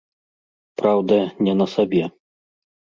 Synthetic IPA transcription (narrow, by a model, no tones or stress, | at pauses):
pɾawd̪ɐnʲɛnɐsabʲɛ